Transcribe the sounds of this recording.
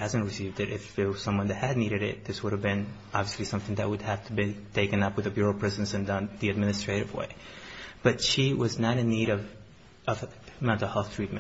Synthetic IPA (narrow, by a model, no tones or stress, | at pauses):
hæzɨ̃nt̚ɹɨsivdɨɾɪ̰fɪwʌ̥sʌ̃mwʌ̃nðɨt̚hɨdⁿniɾɨɾɪ̰t̪̚ðɪswʊɾɨvbɪ̃n | ɑbviəslisʌ̃mθɪ̃ŋðɨʔ̚wɨd̚hæftʰəbitʰeɪkɨ̃nʌpwɨðɨbjʊɹl̩ˠpʰɹ̥ɪzɨ̃n̩sɨ̃ndʌ̃nðiɨd̚mɪnɨstɹ̥eɪɾɨvwḛɪb̥ʌtʃiwʌznəɾɨ̃nːiɾʌv | ʌv | mɛ̃ntˡl̩ˠhɛlˠθtʰɹ̥it̚mɨ̃